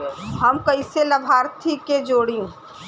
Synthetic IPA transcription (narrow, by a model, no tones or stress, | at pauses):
ɦəmkɐɪselɐbʱaːɾt̪ʰiked͡ʒoːɽiũː